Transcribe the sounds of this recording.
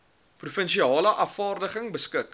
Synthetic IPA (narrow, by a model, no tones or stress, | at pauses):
prufənʃiɑːləʔɐfɑːrdəχəŋbəskək